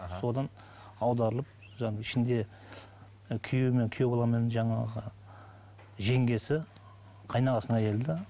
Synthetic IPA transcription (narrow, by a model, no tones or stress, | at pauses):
so̞d̪ɑn | ɑwd̪ɑɾəlˠəp̚ | ʒɑɪʃɪnd̪e̞ | kʲʰʏjeme̞ŋkʲʰʏjebolˠɑɾmenɪʒɑɴɑʁə | ʒe̞ŋɡʲe̞sɪ | qʰɑjnɑʁɑsəəæjʲe̞ld̪ɪ